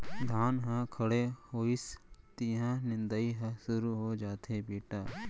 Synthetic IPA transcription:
d̪ʱaːnɦãkʰɐɽehoːɪst̪iɦãnɪ̃nd̪əiɦãsʊɾuɦod͡ʒaːt̪ebeːʈaː

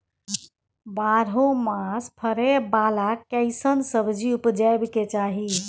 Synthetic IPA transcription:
baɾõmaspʰəɾebalakɛɪsənsəbd͡ʒiupd͡ʒajbket͡ʃaɦi

